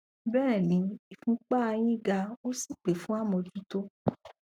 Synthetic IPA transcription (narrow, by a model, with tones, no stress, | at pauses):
bɛː˦˨nĩ˨˧˦i˨fũ˨˧k͡pa˦a˧j̃ĩ˦ɡa˧o˦si˦˨k͡pe˨fũ˨˦a˦˨mɔ̃˧d͡ʒu˦to˦